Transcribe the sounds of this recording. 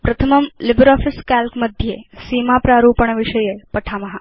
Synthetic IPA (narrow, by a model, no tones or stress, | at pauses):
pɾət̪ʰəməmlɪbɾɔːfɪskalkməd̪ʱjesimapɾaɾupəɳ̃ʋɪʃəjepəʈʰamɐɦa